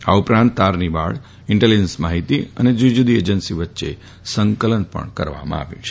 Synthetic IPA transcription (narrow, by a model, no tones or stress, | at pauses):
aupɾãnt̪ːaɾnibaɭ | ɪɳʈelid͡ʒənsmaɦit̪iə̰ned͡ʒud͡ʒud̪ied͡ʒənsiʋətːʃḛ | səŋkələnpə̰ɳkə̰ɾʋa̰mã̰a̰ʋjṵ̃t͡ʃʰ